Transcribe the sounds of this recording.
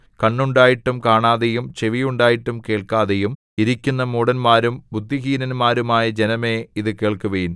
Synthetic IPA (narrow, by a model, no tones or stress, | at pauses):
kɐɳːuɳɖaːjiʈːumkaːɳaːðejumt͡ɕe̞ʋijuɳɖaːjiʈːumke̞ːɭkaːðejum | iɾikʲːunːɐmuːɽɐnmaːɾumbud̪ʱːiɦiːnɐnmaːɾumaːjɐd͡ʑenɐme̞ːiðɨke̞ːɭkuʋɐjin